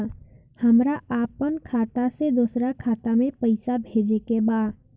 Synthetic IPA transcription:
həmɾaaːpənkʰaːt̪ased̪uːsɾakʰaːt̪amẽpəɪsabʱeːd͡ʒekebaːd̪

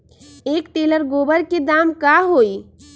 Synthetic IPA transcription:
eːkʈeləɾɡoːbəɾked̪aːmkaɦoi

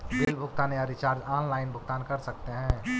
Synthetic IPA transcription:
b̪eːlbʱʊɡt̪aːneaɾit͡ʃaːɾd͡ʒaːnlaːɪnbʱʊɡ̚t̪aːnkɐɾsɐk̚t̪eɦɛ̃ː

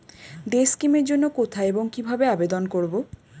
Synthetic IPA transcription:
ɖeskimeɾd͡ʑonːokot̪ʰaeboŋkibʱabeabed̪onkoɾbo

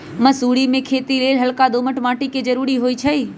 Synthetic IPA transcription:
məsuːɽimẽkʰeːt̪ileːlɦəlkad̪oːməʈmãːʈiked͡ʒəɾuːɾiɦoːit͡ʃʰəiː

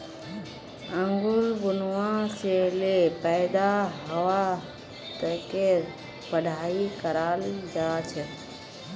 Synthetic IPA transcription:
ə̃ŋɡʊɾbʊnʋãselepɛːd̪aɦəʋa | t̪əkeɾ | bəɖʱaːikəɾaːld͡ʒaːt͡ʃʰeː

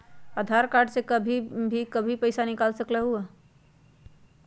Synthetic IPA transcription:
əd̪ʱaɾkaɾɖsekəbʱibʱikəbʱipəɪsanɪkaːlsəklaɦua

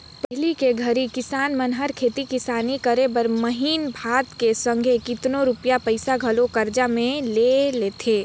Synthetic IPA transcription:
pɦlikeɡʱəɾikɪsaːnmənɦəɾkʰeːt̪ikɪsaːnikəɾebəɾməɦiːnbʱaːt̪kesə̃ŋɡʱekɪt̪noɾʊpjapəɪsaɡʱɐlokɐɾd͡ʒamẽleleːt̪ʰeː

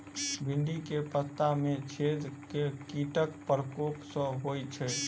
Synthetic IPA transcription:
bʱiɳɖikepət̪ːamet͡ʃʰed̪kekiʈəkpəɾəkoksə̃ɦojt͡ʃʰɛ

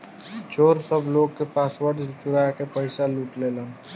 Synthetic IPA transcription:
t͡ʃoːɾsəbloːɡ̚kepaːswəʈt͡ʃʊɾaːjakepəɪsaluːʈleːlaː

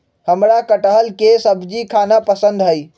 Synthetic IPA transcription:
həmɾakəʈəɦəlkesəbʱd͡ʒikʰanapəsə̃nd̪ɦəi

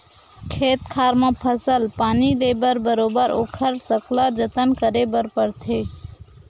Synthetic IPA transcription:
kʰeːt̪kʰaɾmãpʰəsəlpaːnilebəɾbəɾoːbəɾo̰ːkʰəɾsəkləd͡ʒət̪ənkəɾebəɾpəɾt̪ʰe

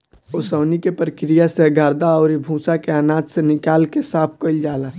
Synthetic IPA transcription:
osəːnikepəɾkɾijaseɡʱaːɾd̪aɔːɾibʱũːsakeanaːd͡ʒ̪senɪkaːlkesaːpʰkəɪld͡ʒaːla

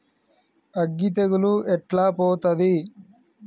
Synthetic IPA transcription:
ɐɡːit̪ɐɡuluʔɛʈlaːpoːt̪ɐd̪i

